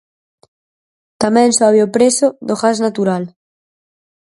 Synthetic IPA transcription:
t̪amɛ̃nsoaβjopɾesoðoɣaznat̪uɾal

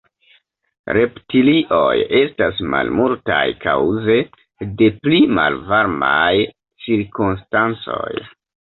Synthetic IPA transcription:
ɾʔe̞ptiliʔo̞je̞stasma̰lmultajkawze̞ | de̞plima̰lvaɾmaj | t͡siɾkunstant͡so̞̰j

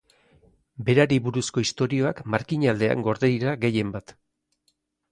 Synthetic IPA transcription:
be̞ɾaɾiβuɾusko̞ist̪o̞ɾio̞akmaɾkiɲald̪e̞a̰ŋɡo̞ɾðejɾaɡe̞je̞mbat̪

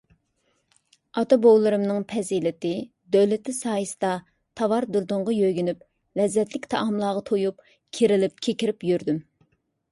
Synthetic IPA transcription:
ɑt̪ɑbowlˠɨɾɨmnɨŋpʰɛzilɪt̪ɪ | d̪øwlɪt̪ʰɪsɑːjɨsɨ̥d̪ɑ | t̪ʰɑwɑɾd̪uɾd̪ʊɴʁɑjøjɡʲynyp̚ | lɛzːɛt̪lɪkʲt̪ʰɑʔɑmlˠɑːʁɑt̪ʰojup | kʲʰeɾɪlɪp̚kʲʰekʲiɾɪpjøɾd̪ym

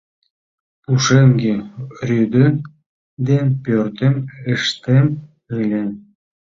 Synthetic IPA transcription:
puʃemɡerʲyd̪ə̆n | d̪enpʲørt̪eməʃt̪em | ɯlʲe

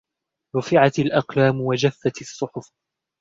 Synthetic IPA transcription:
ɾˤʊfɪʕat̪ɪlʔɑqlaːmwad͡ʒafːat̪ɨsˤːʊħʊf

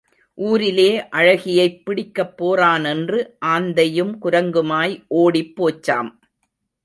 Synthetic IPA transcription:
ʔuːɾɪleːʔɐɻɐɣɪjɐɪpːɪɽɪkːɐpːoːraːnɛndrɯʔaːnd̪ɐjɯmkʊɾɐŋɡɯmaːjʔoːɽɪpːoːt͡ʃːa̰ːm

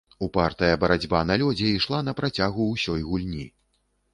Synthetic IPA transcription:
upart̪ɐjɐbɐɾad͡zʲbanalʲɔd͡zʲɛiʂlˠanɐpɾat͡sʲaɣuːsʲɔjɣulʲnʲi

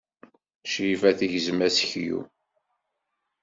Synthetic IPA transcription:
ʃifæθiʝəzmæsəçjṵ

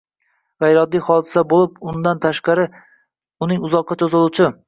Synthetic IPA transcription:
ʁajɾɒd̪ːijχɒd̪ɪsabolˠɪpʊnd̪ant̪ʰaʃqɑɾɪ | ʊnɪŋʊzɒqʰːɑt͡ʃʰozɪlˠuwt͡ʃʰɪ

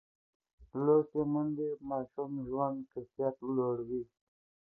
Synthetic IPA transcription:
lokemund̪emɑːʃumʒwand̪kɪsjat̪loɽwi

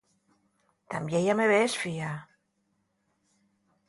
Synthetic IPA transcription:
t̪amjejameβesfia

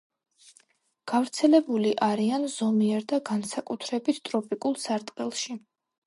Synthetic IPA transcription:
ɡ̥avɾt̪sʰɛlɛbuliʔaɾianzɔmiɛɾd̪aɡansakʼut̪ʰɾɛbit̪ʰt̪ʼɾɔpʼikʼulˠsaɾt̪ʼqʼɛlˠʃi

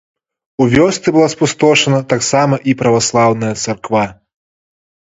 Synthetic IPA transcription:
uvʲɔst̪sɨbɨlˠaspust̪ɔʂɐnɐt̪aksamɐʔipɾɐvaslˠawn̪ɐjɐt̪sarkva

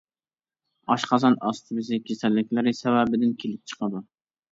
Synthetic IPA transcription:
ɑʃqʰɑzɑnɑst̪ʰɨbɪzɪkʲʰesɛlːɪkʲlɪɾɪsɛwæbɪd̪ɪnkʲʰelɪp̚t͡ʃʰə̥qʰɑd̪u

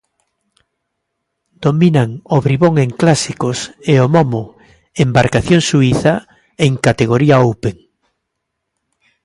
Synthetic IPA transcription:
d̪̥ominaŋoβɾiβoŋeŋklasikoseomɔmo | embaɾkaθjoŋsuiθa | eŋkat̪eɣ̞oɾiaowpeŋ

